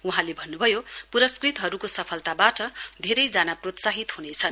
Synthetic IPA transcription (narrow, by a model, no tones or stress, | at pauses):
uɦãlebʱʌnːubʱʌjopuɾʌskrit̪ɦʌɾukosʌpʰʌlt̪abaʈʌd̪ʱeɾʌjd͡zanaprot̪saɦit̪ɦunet͡sʰʌn